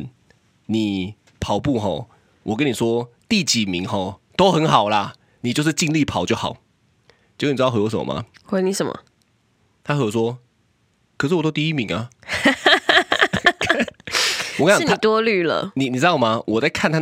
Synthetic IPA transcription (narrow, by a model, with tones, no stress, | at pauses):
n | ni˨˩ | pʰɑ˨˦ʊpu˥˧ɦɔ̰˥˩ | wʔɔ˨˩kə˦ni˨˩ʂwɔ˥t̪i˥˩t͡ɕi˨˩mi˨˦ŋxɔ˥˩t̪o˥ʊxə˧˦nxɑ˨˩ʊla˦ | ni˨˩t͡ɕjo˥˧ʂ̬ɻ̩˥˧t͡ɕi˥˧ŋli˥˨pʰɑ˨˩ʊt͡ɕjo˥˩ʊxɑ̰˨˩ʊ | t͡ɕko˥˧ni˨˩˧o˧˥ʂə˨˩m̰ə̰ma̰˨˩xwe˥ni˧˥˩ʂə˨˦mə̰˨ | t̪ʰa˥xɤ˧jo˧˩swɔ˥ | kʰʂɻ̩˥˩wɔ˨˩o˥˦t̪i˥˧i˦˥mi˨˧˦ŋa̰˨ | wɔ˨kã˥˨˥n˧i˨˩t̪wɔ˥ly˥˩lə̰˨˩ni˨ni˨˩˥t̪ɑ˥˨˩ʊma˨wʔɔ˨˩t͡sa˥˧ɪkʰa˥˨nt̪ʰa˥